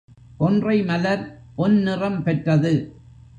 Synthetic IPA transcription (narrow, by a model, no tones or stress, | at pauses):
ʔɔndrɐɪmɐlɐɾ | pɔnnɪrɐmpɛʈrɐðɯ